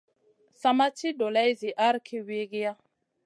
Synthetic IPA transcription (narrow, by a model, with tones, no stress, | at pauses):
sa˨ma˦ti˦do˨la˦jzi˨ʔa˦ɾkʰi˦we˦ɡi˦ja˦